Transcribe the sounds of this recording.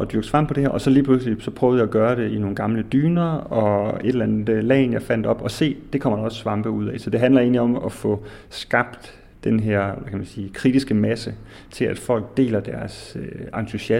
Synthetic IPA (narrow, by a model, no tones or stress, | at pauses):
ɒ̽d̥yɐɡ̥fʁɑ̈m̰pʰɒ̽d̥e̝heɐʔɒ̽sɒ̽liːpʰl̥uslisɒ̽pʰʁœːʊð̞̩ˠɑ̈æɡ̥ɶːɐɾ̥e̝ino̝ːn̩ɡ̥ɑ̈mləd̥yːnɐɒ̽e̝d̥elænəd̥lɛ̰ːnjɑ̈ɪfæn̰d̥ɒ̽b̥ɒ̽se̝̰ːd̥e̝kʰɒ̽m̰ɐdɒ̽ssʋɑ̈mb̥əuð̰ˠɛ̰sɒ̽d̥e̝ɦænlɐe̝ːnliɒ̽mɒfɔ̽sɡ̥ɑ̈b̥d̥ː | enɦeɐ̰ʋækʰæmænsiːkʰʁid̥isɡ̥əmæsə | t͡sʰe̝læd̥fɒ̽l̰ɡ̥̚d̥e̝̰ːlɐd̥æɐsøɑ̈nt͡sʰuɕæ